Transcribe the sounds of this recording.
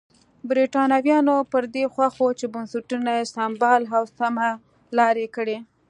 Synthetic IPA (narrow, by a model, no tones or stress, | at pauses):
bɾiʈɑnawjɑnopəɾd̪exwaxot͡ʃebansuʈunajesambɑlɦawsama | lɑɾekəɽe